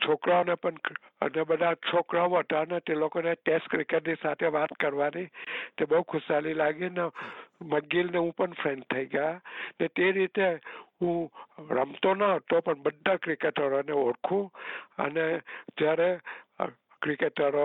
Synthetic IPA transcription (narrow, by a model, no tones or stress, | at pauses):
t͡ʃʰokɾaonepəɳ̰ | nebəd̪ʱat͡ʃʰokɾaoɦət̪anet̪elokoneʈeskɾikeʈnisat̪ʰeʋat̪kəɾʋanit̪ebəɦukʰʊsalilaɡineməɡilneũpəɳpʰɾẽnɖ̚t̪ʰəiɡajanet̪eɾit̪eũɾə̰mt̪onaɦət̪opəɳbəd̪ʱːakɾikeʈəɾoneoɽkʰũə̰ned͡ʒjaɾe | kɾikeʈəɾo